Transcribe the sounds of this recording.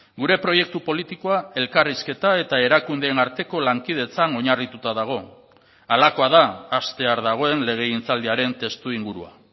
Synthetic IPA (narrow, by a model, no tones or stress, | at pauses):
ɡuɾe̞pɾo̞je̞k̚t̪upo̞lit̪iko̞ae̞lkariske̞t̪ae̞t̪ae̞ɾakund̪eːnaɾt̪e̞ko̞laŋkið̞e̞t͡sano̞ɲarit̪ut̪að̞aɣ̞o̞ | alako̞að̞aːst̪e̞aɾðaɣ̞o̞e̞nle̞ɣ̞e̞int͡sald̪eaɾe̞nt̪e̞st̪uiŋɡuɾṵa̰